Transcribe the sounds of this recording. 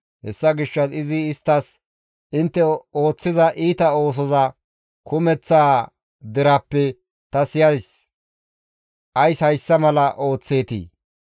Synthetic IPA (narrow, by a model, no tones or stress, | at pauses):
hɛ̰sːɐɡɪʃːɐsɪzɪːst̪ːɐs | ɪnt̪ːɛo̞ːt͡sːɪzɐʔiːt̪ɐo̞ːs̬ɔzɐ | kʰʊmɛt͡sːaː | d̪ɪɾɐpːɛ | t̪ɐsɪjɐdɪs | ʔɐjshɐjsːɐmɐlɐʔo̞ːt͡sːe̞ːt̪ḭː